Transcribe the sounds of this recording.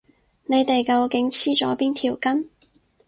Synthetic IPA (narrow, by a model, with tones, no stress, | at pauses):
ne˨˧jt̪e˨jkɐ˧wkɪ˨˥ŋt͡sʰiː˥t͡sɔː˨˥piː˥nt̪ʰiː˨˩wkɐ˥n